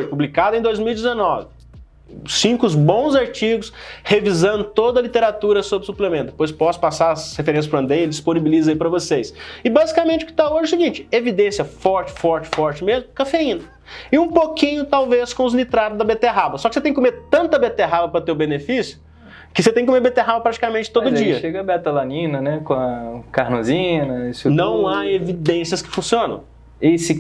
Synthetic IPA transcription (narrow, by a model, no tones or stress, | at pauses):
ʒɪpublikad̪ʊẽd̪ojzmiwid͡ʒɪzenɔvɪ | sĩkʊzbõw̃zaɾt͡ʃiɡʊshevizɐ̃nd̪ʊt̪od̪ɐlit̪eɾat̪uɾɐsobɾɪsuplemẽnd̪epojspɔsʊ̥pasaɾɐshefeɾẽsjɐspɾɐ̃d̪ejelɪd͡ʒisponibilizɐipɾɐvosesɪbazikamẽt͡ʃɪʊkɪ̥t̪aoʒɛsɪɡĩnt͡ʃɪ̥evid̪ẽsjɐfɔɾt͡ʃɪ̥fɔɾt͡ʃɪ̥fɔɾt͡ʃɪmezmʊkafeĩnɐ | ɪũpokĩɲʊt̪awveskõʊznit̪ɾad̪ʊzd̪ɐbet̪eɦabɐsɔkɪset̪ẽkomeɾt̪ɐ̃nt̪ɐbet̪eɦabɐpɾɐt̪eʊbenefisjʊ̥ | kɪset̪ẽkomeɾbet̪eɦabɐpɾat͡ʃi̥kamẽnt͡ʃɪ̥t̪od̪ʊd͡ʒiɐʃeɡɐbɛt̪ɐlanĩnɐnɛkõɐkaɾnozĩnɐesnɐ̃w̃aevid̪ẽsiɐskɪ̥fũsiõnɐ̰̃w̃ | esɪ